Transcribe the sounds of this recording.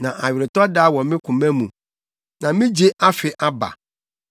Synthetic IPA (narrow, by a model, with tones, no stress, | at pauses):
nã˨ʔa˨ɥᶣɪ˨ɾɪ˨tɔ˦daː˦wɔ˨mɪ̃˦kʰʊ̃˨mɛ̃˦mũ˨ | nã˨mĩ˦d͡ʑe˦ʔa˦fɪ˨ʔa˦ba̰˨